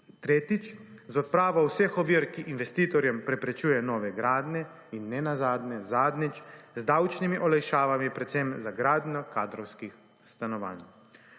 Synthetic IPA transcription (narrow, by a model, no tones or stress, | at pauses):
t̪ɾeːt̪it͡ʃzɔt̪̚pɾaːʋɔwsɛxɔʋiɾkiʔinʋɛst̪iːt̪ɔɾjɛmpɾɛpɾɛt͡ʃuːjɛnɔːʋɛɡɾaːd̪nɛ | inːɛnazaːd̪nɛzaːd̪nit͡ʃzd̪awt͡ʃnimiʔɔlajʃaːʋamipɾɛt̪sɛmzaɡɾaːd̪nʲjɔkaːd̪ɾɔwskix | st̪anɔʋa̰ːn